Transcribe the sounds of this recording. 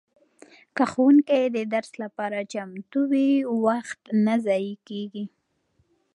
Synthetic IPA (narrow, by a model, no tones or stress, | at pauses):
kaxwuŋked̪əd̪aɾslapɑɾat͡ʃamt̪uwiwaxt̪nazɑjikeɡi